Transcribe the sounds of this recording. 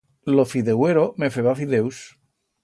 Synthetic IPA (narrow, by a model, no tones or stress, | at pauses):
lofiðeweɾomefeβafiðews